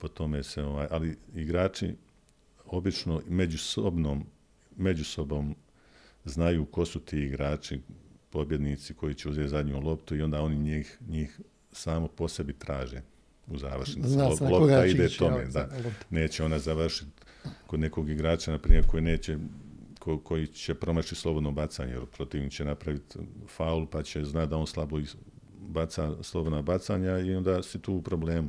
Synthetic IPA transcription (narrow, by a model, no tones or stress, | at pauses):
po̞t̪o̞meːseo̞ʋaːjʔaliiɡɾaːt͡ʃḭ | o̞bit͡ʃno̞med͡ʑusobnoːmː | e̞d͡ʑuso̞boːm | znajuːko̞sut̪iːiɡɾaːt͡ʃipo̞bje̞d̪niːt̪siko̞it͡ɕeuzjet̪zad̪ɲulˠo̞pt̪uio̞nd̪ao̞niɲiːxɲiːx | saːmopo̞se̞bit̪ɾaːʒeː | uzaːʋrnisiolˠot̪aid̪eːt̪o̞meːd̪ane̞ːt͡ɕeo̞nazaʋr̩ʃit̪ | ko̞d̪ne̞ko̞ɡiɡɾaːt͡ʃanapɾiːjeɾko̞jːne̞ːt͡ɕekoko̞jit͡ɕepɾo̞mat͡ʃislˠo̞bo̞d̪nobat̪sa̰ɲejelpɾo̞t̪iːʋɲit͡ɕenapɾaʋit̪faulupat͡ɕeznat̪d̪ao̞nslˠaboi | bat̪saslobo̞d̪nabat̪saːɲaio̞nd̪aːsit̪uːupɾo̞ble̞ːmu